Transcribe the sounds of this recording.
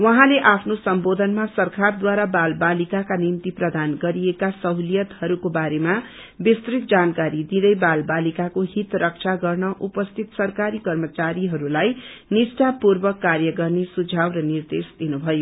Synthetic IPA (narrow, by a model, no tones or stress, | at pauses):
wʌɦãleʔapʰnosʌmbod̪ʱʌnmasʌrkʰard̪waɾabalbalikakanimt̪iprʌd̪anɡʌɾijekasʌɦwlijʌt̪hʌɾukobaɾema | bist̪ɾik̪̚d͡zankaɾid̪id̪ʌjbalbalikakoɦit̪rʌk̚t͡ʃʰaɡʌrnʌʔupʌst̪ʰit̪sʌrkaɾikʌrmʌt͡saɾiɦʌɾulajnisʈapurbʌkːarjʌɡʌrnesud͡zʱabrʌnird̪esd̪̥inubʱʌjo